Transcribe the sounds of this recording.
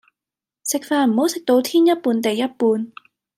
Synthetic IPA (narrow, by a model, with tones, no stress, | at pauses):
sɪ˨k̚faː˧nm̩˨˩ho˨˥wsɪ˨k̚t̪o˧wt̪ʰiː˥njɐ˥t̚puː˧nt̪e˨jːɐ˥t̚puː˧n